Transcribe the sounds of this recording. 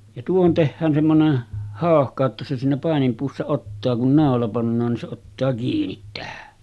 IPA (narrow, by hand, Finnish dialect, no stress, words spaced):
jɑ tuohon tehːæːn semːonen hɑˑohkɑ etːæ se siːnæ pɑˑenimpuːsːɑ otːɑː kun nɑˑolɑ pɑnːɑːn nin se otːɑː kiːnit tæhæ